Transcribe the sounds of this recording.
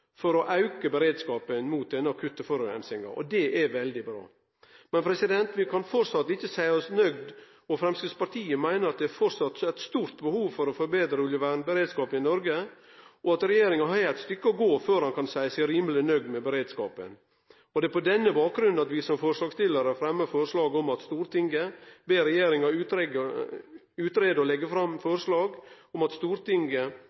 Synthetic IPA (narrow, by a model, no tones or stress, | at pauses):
fɔɾɔʔɑʉkəbəɾeːd̪skɑːpənmuːt̪̚d̪ɛnːəɑkʰʉt̪ːəfɔɾʉɛ̰nsɪŋɑ̰ɔ̰d̪ɛʔɛʋɛld̪ɪbɾɑ̰ː | mɛnpʰɾɛsɪd̪ɛnt̪ʋɪkʰɑnfɔɾsɑt̪ːɪçːəsæɪɔsnœɡd̪ | ɔfɾɛmskɾɪspɑɾʈ̪ʰiːəmæɪnəɾɑt̪̚d̪ɛæɾfɔɾsɑt̪ːæɪt̪st̪uːɾt̪bəhuːʋfɔɾɔfɔɾbeːd̪ɾəʉljəʋæɳbəɾeːd̪skɑːpənɪnɔɾɡə | ʔɔɑt̪ɾɛjeːɾɪŋɑɦɑæt̪st̪ʏkːəɔɡoːføːɾhɑnkɑnsæɪəsɪɾiːmlɪnœɡ̪mɛbəɾeːd̪skɑːpə̰n | ɔd̪ɛpɔd̪ɛnːəbɑːk̚ɡɾʉnɑt̪ʋɪsɔmfɔɾʂɭɑːɡst̪ɪləɾəfɾɛmːəɾfɔɾʂlɑːɡɔmɑt̪st̪uːɾt̪ɪŋɡəbeːɾɛjeːɾɪŋɑʉt̪ɾɛɡə | ʉːt̪ɾeːd̪əɔlɛɡəfɾɑmfɔɾʂlɑːɡ | ɔmɑt̪st̪uːɾt̪ɪŋɡə